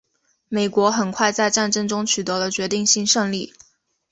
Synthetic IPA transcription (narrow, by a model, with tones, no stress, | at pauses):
me˨˩ɪkwɔ˧˥xə˨˩nkʰwa˥˧ɪt͡sa˥˧ɪʈ͡ʂa˥˩nʈ͡ʂɤ˥ŋʈ͡ʂʊ˥ŋt͡ɕʰy˨˩t̪ɤ˧˥lə˧t͡ɕɥɛ˧˥t̪i˥˧ŋɕi˥nʂɤ˥˧ŋli˥˩